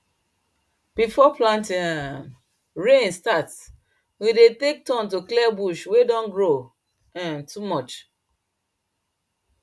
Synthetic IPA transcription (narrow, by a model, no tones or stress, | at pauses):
b̥ifɔplãntĩãm | ɹẽnstat | widetek̚tɔ̃ntuklɛbuʃwedɔ̃nɡɹo | ɛ̃ntʰumɔt͡ʃ